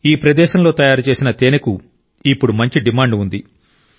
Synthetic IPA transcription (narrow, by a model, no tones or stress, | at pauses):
iːpɾɐd̪ɛːʃɐmlo̞ːt̪ɐjaːɾut͡ʃe̞ːsinɐt̪eːneku | ipːuɽumɐɲt͡ʃiɖimaːɳɖund̪i